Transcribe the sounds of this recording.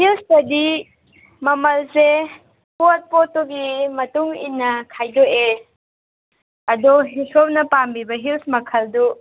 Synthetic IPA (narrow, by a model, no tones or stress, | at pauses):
hilsdɐdi | mɐmɐlse | put̚potːuɡimɐtuŋḭnːɐkʰajdoʔe | ɐdɔɦisʰop̚nɐpambibɐɦilsmɐkʰɐldu